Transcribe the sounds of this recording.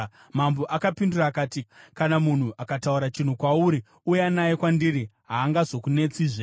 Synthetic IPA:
mamboʔakapinduraːkaːtikanamun̤uʔakatauɾat͡ʃin̤ukwauɾi | ujanajekwandiɾiɦaːŋɡazo̞kune̞t͡siʐe

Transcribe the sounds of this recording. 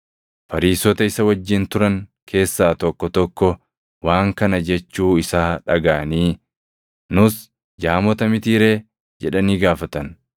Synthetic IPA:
fɐɾiːsɔt̪ɐɪsɐwɐd͡ʒːɪnt̪ʊɾɐŋkʰe̞ːsːaːt̪ɔkːɔt̪ɔkːɔ | waːŋkɐnɐd͡ʒɛt͡ʃːuːɪsaːᶑɐɡaːʔɐniː | nʊs | d͡ʒaːmɔt̪ɐmɪt̪iːɾe̞ː | d͡ʒɛᶑɐniːɡaːfɐt̪ɐn

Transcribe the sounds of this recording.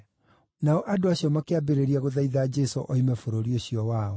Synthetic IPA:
naɔʔadoaɕiɔmakeabeɾeɾiaɣoðaiðaːd͡ʒɛso̰ʔɔimɛfoɾoɾioɕiɔwaɔ

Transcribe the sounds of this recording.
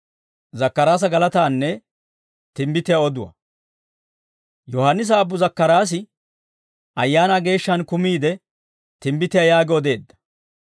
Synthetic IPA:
zɐkːɐɾaːs̬ɐɡɐlɐt̪aːnːɛ | t̪ɪmbɪt̪ɪjaɔd̪ʊwɐ̰ | jɔhanːɪs̬aːbːʊzɐkːɐɾaːs̬ɪ | ʔɐjːaːnaːɡe̞ːʃːɐnkʊmiːd̪ɛ | t̪ɪmbɪt̪ɪjajaːɡoɔd̪e̞ːd̪ːɐ̥

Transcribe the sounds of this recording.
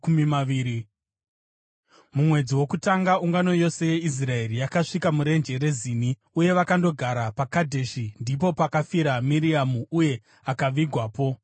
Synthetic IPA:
umimaʋiːɾi | mumwe̞d͡ziwo̞kutaŋɡauŋɡano̞jo̞se̞je̞is̬rae̞rijakaʂikamuɾe̞nd͡ʒe̞ɾe̞ziːni | uje̞ʋakando̞ɡʱaɾapakadʱe̞ʃindip̬o̞pakafiɾamiɾiamuuje̞ | akaʋiɡʱwaːpo̞

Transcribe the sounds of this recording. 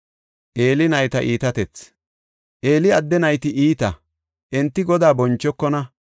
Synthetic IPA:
ʔe̞ːlɪnɐjt̪ɐʔiːt̪ɐt̪ɛt͡s | ʔe̞ːlɪɐd̪ːɛnɐjt̪ɪʔiːt̪ɐ | ʔɛnt̪ːɪɡɔd̪aːbɔnt͡ʃːɔkːɔnɐ

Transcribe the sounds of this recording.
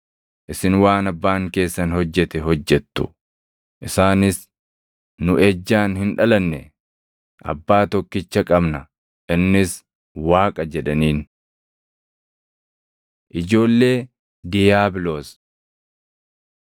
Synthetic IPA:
ʔɪsɪnwaːnɐbːaːŋke̞ːsːɐnhɔd͡ʒːɛt̪ɛɦɔd͡ʒːɛt̪ːʊ̥ | ʔɪsaːnɪs | nʊʔɛd͡ʒːaːnhɪnᶑɐlɐnːɛ̰ | ʔɐ̰bːaːt̪ɔkːɪt͡ʃːɐkʼɐbnɐ | ʔɪnːɪs | waːkʼɐd͡ʒɛᶑɐniːn | ʔɪd͡ʒo̞ːlːe̞ː | d̪ɪjaːbɪloːs

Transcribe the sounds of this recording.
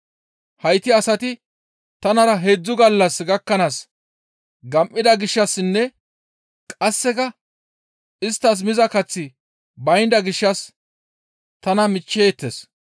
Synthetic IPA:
hɐjt̪ːɪɐsɐt̪ɪ | t̪ɐnɐɾɐɦeːd͡zːʊɡɐlːɐsɡɐkːɐnaːs | ɡɐmʔːɪd̪ɐɡɪʃːɐsːɪnːɛ | kʼɐsːɛkɐ | ɪst̪ːɐs̬mɪzɐkɐt͡sːɪ | bɐjnd̪ɐɡɪʃːɐs | t̪ɐnɐmɪt͡ʃːeːt̪ːes

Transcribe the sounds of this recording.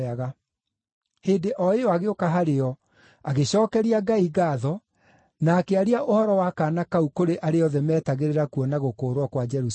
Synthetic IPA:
aɣa | heːndeʔɔeɔaɣeokaɦaɾeɔ | aɣeɕɔːkɛɾiaɡaiɣaːðɔ | naːkeaɾiaʔohɔɾɔwakaːnakaukoɾeʔaɾeɔðɛmɛːtaɣeɾeɾakuɔnaɣokoːɾwɔkwad͡ʒɛɾus

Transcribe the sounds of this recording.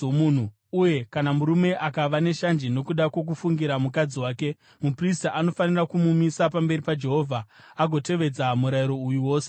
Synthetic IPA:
oun̤u | uje̞kanamuɾume̞ʔakaʋane̞ʃand͡ʒino̞kuɗakwo̞k̬ufuŋɡiɾamukad͡ziwaːke̞ | mupristaʔano̞fanirakumumisapambe̞ɾipad͡ʒe̞ɦo̞ːvʱa | aɡʱo̞te̞ʋed͡zamuɾaiɾo̞ujuwo̞ːse

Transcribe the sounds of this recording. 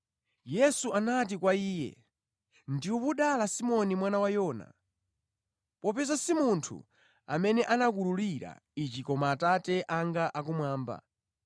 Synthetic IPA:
jɛsuanat̬ikwaiːjɛ̰ | ndiupuɗalasimɔnimwanawajɔːna̰ | pɔpɛzasimuntʰṵ | a̰mɛnɛʔanak̬ululiɾa̰ | it͡ʃikɔmaːtatɛʔaŋɡaʔak̬umwaːmba̰

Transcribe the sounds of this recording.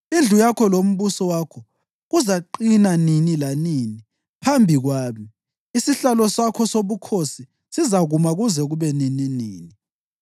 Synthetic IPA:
ind͡ɮʱujakʰɔlom̩βusɔwakʰɔ | ɣuzaǃinaninilaniːni | pʰambʱiɣwaːmi | isiɬalɔsakʰɔsoβukʰosi | sizaɣumaɣuzɛɣuβɛnininḭːni

